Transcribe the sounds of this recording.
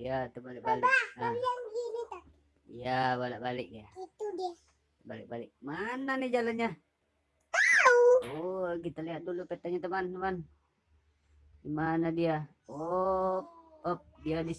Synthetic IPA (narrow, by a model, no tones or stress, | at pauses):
ijat̪əbalakbalaaianɡinit̪a | ijabalaʔbalɪk̚jait̪udia | t̪əbalɪ̰k̚balɪk̚mananid͡ʒalanɲa | auokit̪aliat̪̚dulupet̪aɲat̪əmant̪əman | imanadia | o | pəp̚diani